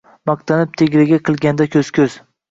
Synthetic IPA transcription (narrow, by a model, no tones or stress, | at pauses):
mɑq̚t̪ʰanɪp̚t̪ʰeɡʲɾɪɡʲaqʰɨlˠɡʲand̪akʲʰɵz̥kʲʰɵz̥